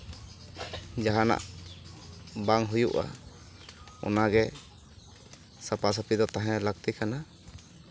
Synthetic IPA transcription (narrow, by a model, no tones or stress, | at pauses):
d͡ʒaɦana̰ʔ | baŋɦujuʔa̰ | ɔ̰naɡɛ | sapasapid̪ɔt̪aɦɛ̃lak̚t̪ikʰana